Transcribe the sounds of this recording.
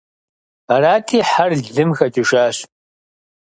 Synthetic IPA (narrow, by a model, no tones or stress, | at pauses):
araːtʰiːħarɮɨmxɐtʰiʃaːɕ